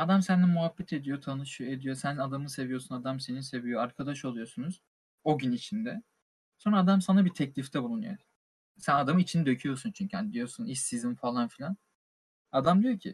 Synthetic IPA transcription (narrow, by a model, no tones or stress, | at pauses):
ad̪amsænːimuɦabːɛt̪ʰe̞d̪ijo̞t̪ʰanɯʃɯed̪ijo̞sænad̪amɯse̞vijo̞sunad̪amse̞ninse̞vijo̞aɾkʰad̪aʃo̞lˠujo̞sunuz̥ | o̞ɟynit͡ʃʰind̪ɛ | so̞nɾaːd̪amsanabit̪ʰɛclʲift̪ʰɛbulˠunṵjo | sænad̪amɯit͡ʃʰinid̪ø̞cʰyjo̞sunt͡ʃʰyɲcʰihanid̪ijo̞sunisːizinfalˠanfilʲan | ad̪amd̪ijo̞cʰḭ